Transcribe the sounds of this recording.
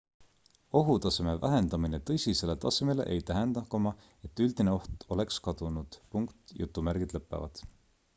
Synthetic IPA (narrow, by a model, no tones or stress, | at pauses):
o̞ɦut̪ɑse̞me̞væɦe̞nd̪̥ɑmine̞t̪ɤjsʲise̞let̪ɑseme̞le̞̰ʔejt̪æɦend̪̥ɑkomɑ | e̞t̪ːˑyld̪̥ine̞o̞ht̪o̞le̞kskɑd̪̥unud̪̥puŋkt̪jut̪ːˑumæɾɡ̥id̪̥lɤpːˑḛvɑ̰d̪̥